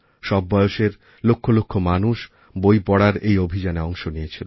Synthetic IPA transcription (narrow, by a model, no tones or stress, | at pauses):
ʃɔbːɔjoʃeɾ | lokʰːolokʰːomanuʃ | bojpɔɽaɾejobʱid͡ʑaneɔŋʃonijet͡ɕʰilo